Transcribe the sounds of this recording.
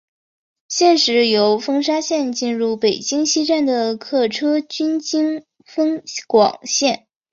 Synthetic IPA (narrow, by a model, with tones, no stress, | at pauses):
ɕjɛ˥˩nʂɻ̩˧˥jo˧˥ʊfɤ˥ŋʂ̬a˥ɕjɛ˥˧nt͡ɕi˥˧nɻu˥˩pe˨˩ɪt͡ɕi˥ŋɕi˥ʈ͡ʂa˥˩nd̪ə˩kʰɤ˥˩ʈ͡ʂʰɤ˥t͡ɕy˥nt͡ɕi˥ŋ | fɤ˥ŋkwɑ̰˨˩ŋɕjɛ˥˩n